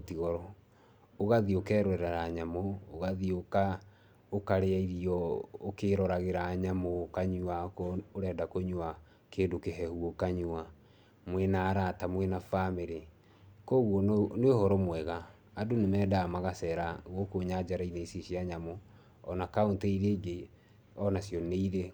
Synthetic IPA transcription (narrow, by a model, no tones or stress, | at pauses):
otiɣɔɾɔ | oɣaðiokɛːɾwɛɾaɾaɲamoːɣaðioka | okaɾeaiɾiɔokeɾɔɾaɣeɾaːɲamokaɲuakoɾɛːdakoɲua | keːdokeɦɛhuokaɲua | mwɛnaːɾatamwenafameɾe | kɔːɣwɔnehɔɾɔmwɛɣaː | donemɛːdaːmaɣasɛːɾaɣɔkoɲad͡ʒaɾaineisiɕiaɲamo | ɔnakaonteiɾeːɡe | ɔnasjɔneiɾe